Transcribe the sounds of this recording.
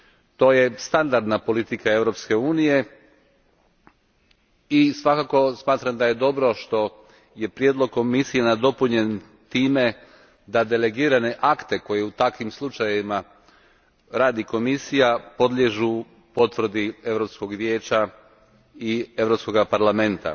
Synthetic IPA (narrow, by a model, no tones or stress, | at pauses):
t̪o̞ːje̞st̪and̪aɾd̪napo̞lit̪ikae̞ʋɾo̞pske̞uːnije̞ | isʋakako̞smaːt̪ɾamd̪aje̞d̪o̞bɾo̞ʃt̪o̞ | je̞pɾjeːd̪lˠo̞ɡ̚komisijenad̪o̞puɲe̞n | t̪iːme̞ | d̪ad̪e̞leɡiːɾane̞ʔakt̪e̞ko̞je̞ut̪akʋimslˠut͡ʃajeʋima | ɾaːd̪iko̞misijapo̞d̪lʲjeʒu | po̞t̪ʋɾ̩d̪ie̞ʋɾopsko̞ɡʋjeːt͡ɕa | ie̞ʋɾopsko̞ɡapaɾlame̞nt̪a̰